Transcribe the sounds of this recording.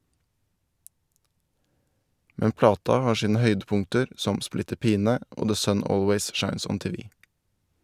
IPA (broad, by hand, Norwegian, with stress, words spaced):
ˈmɛn ˈplɑːtɑ ˈhɑːɾ ˈʃiːnə ˈhœʏdəˌpʊŋtəɾ ˈsɔm ˈsplɪtəɾ ˈpiːnə ˈʔoː ðə ˈsœn ˈoːlweɪz ˈʃɑɪns ˈɔn ˈteːʋɪ